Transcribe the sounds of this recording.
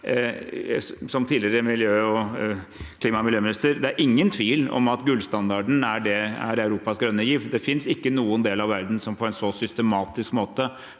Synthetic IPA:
sɔmt̪ʰiːlɪɾəmɪljøːɔ | kʰliːmɑmɪljøːmɪnɪst̪əɾd̪ɛæɾʔɪŋːənt̪ʰʋiːlɔ̰mɑt̪ɡʉlst̪ɑnd̪ɑɖɳ̩æɖɛæ̰ɾɑʉɾuːpɑsɡɾœnːəjiːʋd̪ɛfɪnsɪkːənuːənd̪eːlɑʋʋæɾd̪n̩sɔmpʰɔɛnsɔsʏst̪əmɑːt̪ɪskmoːt̪ə

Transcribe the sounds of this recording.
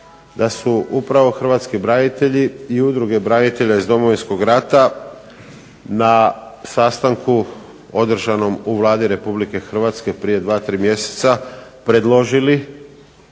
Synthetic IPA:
d̪asuʔupɾaʋo̞xr̩ʋat̪skibɾanit̪e̞ʎiiud̪ɾuɡe̞bɾanit̪e̞ʎaizd̪o̞mo̞ʋinsko̞ɡɾat̪a | nasast̪aŋku | o̞d̪r̩ʒano̞muʋlˠaːd̪iɾe̞publike̞xr̩ʋat̪ske̞pɾije̞d̪ʋaːt̪ɾiːmje̞se̥t̪sapɾe̞d̪lˠo̞ʒili

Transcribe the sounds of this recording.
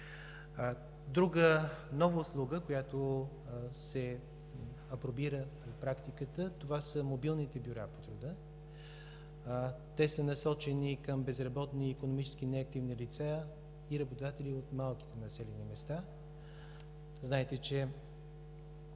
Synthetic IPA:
d̪ɾuɡənɔvəʊslˠuɡəkojat̪o | sɛ | ɐpɾobiɾəpɾɛt̪pɾakt̪ikət̪ət̪ovasəmobilˠnit̪ɛbʲjʊɾapot̪ɾod̪ə | t̪ɛsənɐsɔt͡ʃɛnikəmbɛzɾɐbɔt̪niːkonomit͡ʃɛ̥skinɛɐk̚t̪ivnilit̪sa | iɾɐbot̪od̪at̪ɛlʲiot̪malˠk̟i̥t̪ɛnɐsɛlɛnimɛst̪a | znaɛt̪ɛt͡ʃɛ

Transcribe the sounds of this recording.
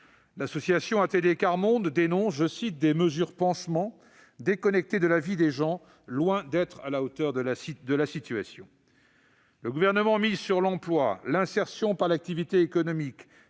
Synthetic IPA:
lasɔsjasjɔ̃at̪elekaʁmɔ̃d̪ːenɔ̃sʒəsit̪̚d̪eməzyʁpɑ̃smɑ̃ | d̪ekɔnɛk̚t̪ed̪əlavid̪eʒɑ̃ | lwɛ̃d̪ɛt̪χa̰laot̪œʁd̪əsd̪əlasit̪yasjɔ̃ | ləɡuvɛʁnəmɑ̃mizsyʁlɑ̃plwalɛ̃sɛʁsjɔ̃paʁlak̚t̪ivit̪eːkɔnɔmik

